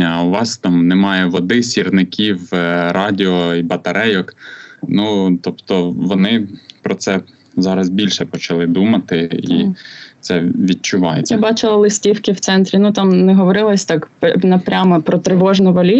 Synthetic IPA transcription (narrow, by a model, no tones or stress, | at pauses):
ɐɐʊʋɑst̪ɑmnemɑjɛʋɔd̪ɪsʲirnɪkʲʰiwɾɑdʲɪɔibɐt̪ɐɾɛjɔknut̪ɔpt̪ɔʋɔnɪpɾɔt̪sɛ | zɑɾɐzbʲilʲʃɛpɔt͡ʃɐlˠɪd̪umɐt̪ɪḭt̪sɛʋʲid̚t͡ʃʊʋɑjḛjbɑt͡ʃɪlˠɐlˠɪsʲtʲiwkɪwt̪sɛnt̪ɾʲinut̪ɑmnɛɦɔʋɔɾɪlˠɐsʲt̪ɑkpnɐpɾʲamɐpɾɔt̪ɾɪʋɔʒnʊʋɔlʲi